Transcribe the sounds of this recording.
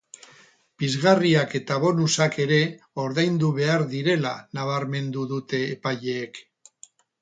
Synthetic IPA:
b̥izɣariake̞t̪aβo̞nusake̞ɾe̞ | o̞ɾðajnd̪uβe̞aɾðiɾe̞la̰naβ̞aɾme̞nd̪uðut̪e̞ːpaʎeːk

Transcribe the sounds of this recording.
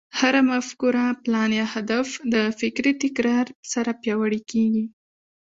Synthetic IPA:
haɾamafkuɾaplɑnjɑhad̪afd̪əfɪkɾit̪ɪkɾɑɾsaɾapjɑwəɽikeɡi

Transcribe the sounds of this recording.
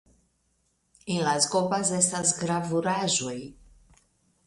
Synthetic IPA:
enlazɡobazestasɡɾavuɾaʒoj

